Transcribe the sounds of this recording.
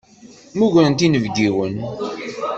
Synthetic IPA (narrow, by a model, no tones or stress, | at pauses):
muʝɾənt̪inəvɡiwən